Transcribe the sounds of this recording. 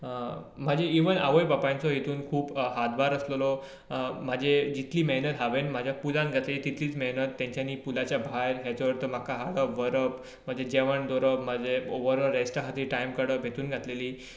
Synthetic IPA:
m̤ad͡ʑeiʋəna̰ʋəjbapant͡sɔɦit̪uːnkʰuːpɦat̪baɾəsləlɔ | m̤ad͡ʑʱed͡ʑit̪liːmeɦnət̪ɦaʋenmad͡ʑʱjapulãnɡʱat̪leliːt̪it̪ʰliːt͡smeɦnət̪ːjãɲt͡ɕjaniːpulat͡ɕjabʱajɾɦjat͡ɕɔʋəɾt̪əmakʰːaɦaɽəʋəɾəp | mad͡ʑed͡ʑɛʋəɳd̪ɔɾəpmad͡zeoʋəɾɔlːesʈakat̪iːʈajmkəɽəbʱet̪uːnɡʱat̪leliː

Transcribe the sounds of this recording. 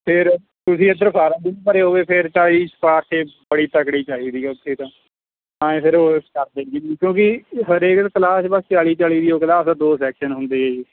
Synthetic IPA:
pʰɪɾ | t̪ʊsĩːəd̪əɾpʰaːɾə̃nd̪iːñːpəɾeːɦoːʋeːpʰɪɾt͡ʃaːɭiːspaːɾʈʰeːbəɽiːt̪əkɽiːt͡ʃaːɦiːd̪iːɛt̪ʰːiːt̪ãː | ɦãːeːpʰɪɾoːekəɾd̪eːkinːkjõːkɪɦəɾeːkkəlaːsbəkt͡ʃaːɭiːt͡ʃaliːd̪iːoːkəlaːsad̪oːsɛːkʃənɦʊ̃nd̪eːeːiː

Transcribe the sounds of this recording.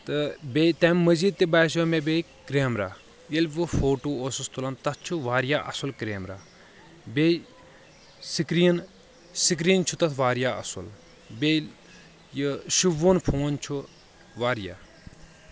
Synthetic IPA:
t̪ɨbʲeːt̪emːəziːd̪̚t̪ibaːjs̬oːmebʲeː | kɾeːmɾa̰ː | elʲʋɨfʰoːʈoːoːsust̪ulɐnt̪ɐt̪̚t͡ʃʰuʋaːɾjaːʔɐ̰sulkɾeːmɾa̰ | bʲej | sikɾijin | sik̬ɾint͡ʃʰut̪ɐt̪ʰʋaːɾjaːɐ̰sṵl | be | jɨʃuʋonpʰoːnt͡ʃʰu | ʋaːɾja̰ː

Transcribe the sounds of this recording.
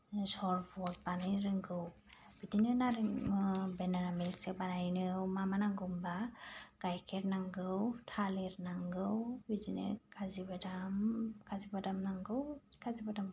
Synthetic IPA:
sɔɾpʰɔt̚banɯnɾɯŋɡɯw | b̥idinɯnaɾɯŋbenanamilksebanajnɯwmamanaŋɡɯmbaɡ̥ajkʰeɾnaŋɡɯwtʰaleɾnaŋɡɯwbidinɯ̰kʰazibadamkʰazibadamnaŋɡɯwkʰazibadam

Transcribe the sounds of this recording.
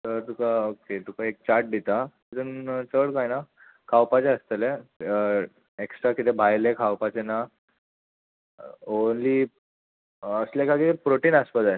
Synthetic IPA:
t̪əɾt̪ukaoket̪ukaek̚t͡ɕaɾʈ̚d̪ʱit̪at̪it̪ənt͡səɽkajna | kʰawpat͡seəst̪əle | eksʈɾakit̪ebʱajlekʰawpat͡ɕena | onliː | əsljakakit̪epɾoʈiːnaspəd̪aj

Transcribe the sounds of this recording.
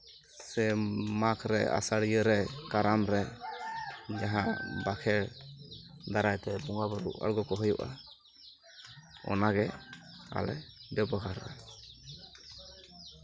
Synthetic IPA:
sɛmakʰɾɛa̰saɽijəɾɛkaɾamɾɛ | d͡ʒaɦabakʰɛɾ | d̪aɾajt̪ɛbɔŋɡabɔɾṵʔa̰ɽɡɔkɔɦɔjuʔa̰ | ɔ̰naɡɛa̰lɛ̰bɛbɔɦaɾɔ̰ʔa

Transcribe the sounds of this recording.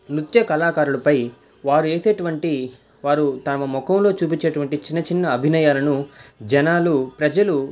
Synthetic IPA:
nut̪jɐkɐlaːkaːɾuɭɐpɐj | ʋaːɾue̞ːseːʈuʋɐɳʈi | ʋaːɾut̪ɐmɐmɔkɐmlo̞ːt͡ʃuːp̬iɲt͡ʃːeːʈuʋɐɳʈit͡ʃinːɐt͡ʃinːɐːbʱinɐjaːlɐnud͡ʒɛnaːlupɾɐd͡ʒɐlu

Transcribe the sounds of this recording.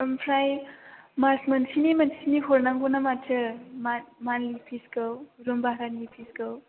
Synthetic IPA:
mpʰɾajmasmɐnsʰinimɐnsʰiniɦʰoɾnaŋɡunamatt͡ʃɯmamanlipʰiskɐwɾumbaɦɾanlipʰiskɯw

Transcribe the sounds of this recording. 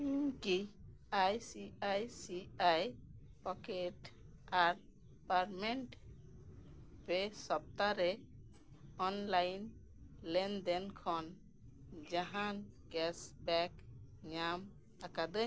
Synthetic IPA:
ki | ajsiajsiaj | pɔkeʈ | aɾ | paɾmeɳʈ | besɔp̚t̪aɾɛ | ɔnlajn | lɛnd̪ɛnkʰɔn | d͡ʒaɦanɡɛsbɛkɲam | akad̪ɯ

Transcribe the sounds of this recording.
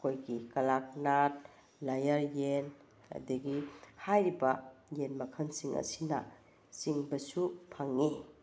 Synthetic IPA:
kʰojɡikɐlak̚nat̚ | lajɐɾjen | ɐ̰dɐɡihajɾibɐjenmɐkʰɐnsiŋɐ̰sinɐ̰ | siŋbɐsupʰaŋːe

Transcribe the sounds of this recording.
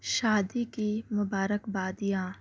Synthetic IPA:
ʃaːd̪ikimʊbaːɾəkbaːd̪ijãː

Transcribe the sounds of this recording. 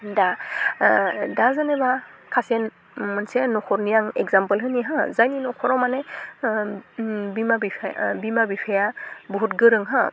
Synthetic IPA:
da | dazanebakʰasen | mɯnsenɔkʰɔɾnijaŋekzampəlɦɯniɦɯzajninɔkʰɔɾɔmane | bimabipʰbimabipʰejabuɦut̚ɡɯɾɯŋɦɯ

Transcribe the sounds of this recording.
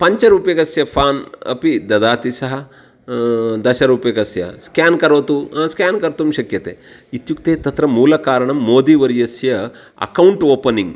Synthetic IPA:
pɐɲt͡ʃɐɾuːpjɐkɐsjɐpʰaːnɐ̰pid̪ɐd̪aːt̪isɐɦɐ | d̪ɐʃɐɾuːpjɐkɐsjɐ̰skaːnkɐɾoːt̪uskaːnkɐɾt̪umʃɐkjɐt̪ḛː | it̪juk̚t̪eːt̪ɐt̪ɾɐmuːlɐkaːɾɐɳɐmːoːd̪iʋɐɾjɐsjɐ | ɐ̰kɐwuɳʈoːpɐniŋɡ

